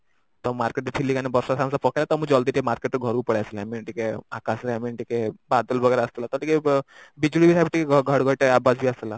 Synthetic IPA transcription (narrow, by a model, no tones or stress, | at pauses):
t̪ɔmaɾkeʈet̪ʰilːikanebɔɾsasʰansapɔkʰelat̪ɔmũd͡ʒɔld̪iʈiemaɾkeʈːɡʱɔɾupɔɽesilamiɳʈikea̰kasleamiɳʈikebad̪ɔlbʱɔɡɛɾaəst̪elat̪ɔʈikebid͡ʒuɽibisʰabʈikeɡɡʱɔɽɡɔʈeabasbʱiast̪ela